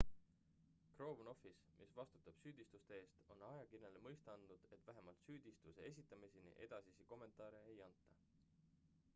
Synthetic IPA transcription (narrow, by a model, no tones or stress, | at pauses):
kro̞ːvno̞fis | mʔisvɑst̪u̥t̪ːˑɑb̥syːd̪̥ist̪ust̪e̞e̞ːst̪o̞nɑjɑkinelemɤjst̪ɑnd̪nud̪̥e̞t̪ːvæɦemɑlt̪syːd̪̥ist̪use̞e̞s̬ʲit̪ːˑɑmisinḭʔed̪̥ɑsisiko̞mːe̞nt̪ˑɑːɾe̞ejɑnt̪ˑːɑ